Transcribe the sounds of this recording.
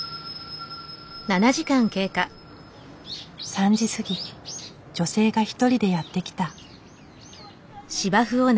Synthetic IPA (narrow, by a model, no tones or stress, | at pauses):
nanaʑikãŋke̞ːka | sãɲ̟d͡ʑisɨɡʲi | d͡ʑo̞se̞ːɡaçi̥t̪o̞ɾʲid̪e̞jat̪ːe̞kʲi̥t̪a | ɕibaɸɯ̟o̞n